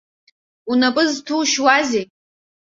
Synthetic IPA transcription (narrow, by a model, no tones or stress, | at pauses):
unapʼɨztʰuʃwaze